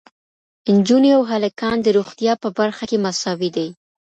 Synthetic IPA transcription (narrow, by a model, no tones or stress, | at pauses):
ɪnd͡ʒuniawɦalakɑnd̪əɾoxt̪jɑpəbaɾxakemasɑwid̪aj